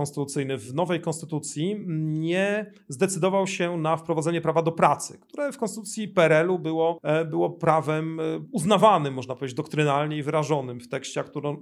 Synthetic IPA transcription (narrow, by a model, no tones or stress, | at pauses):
ɔnst̪ɘt̪ut̪sɘjnɘvnɔvɛjkɔnst̪ɘt̪ut̪sʲjiɲɛ | zd̪ɛt̪sɘd̪ɔvawɕɛnafpɾɔvad̪ɛɲɛpɾavad̪ɔpɾat̪sɘ̰kt̪uɾɛfkɔnst̪ut̪sʲjipɛɾɛlubɘwɔbɘwɔpɾavɛmuznavanɘmːɔʐnapɔvʲjʲed͡ʑed͡ʑd̪ɔkt̪ɾɘnalɲɛivɘɾaʐɔnɘmft̪ɛkɕt͡ɕɛakt̪uɾɔ̃